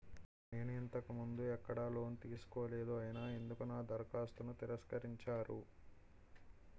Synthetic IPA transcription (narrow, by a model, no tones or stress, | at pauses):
ne̞ːnuint̪ɐkumund̪uɛkːɐɽɐlo̞ːnt̪iːsu̥koːle̞ːd̪uɐjinaːe̞nd̪ukunaːd̪ɐɾkaːst̪unut̪iɾɐskɐɾiɲt͡ʃaːɾu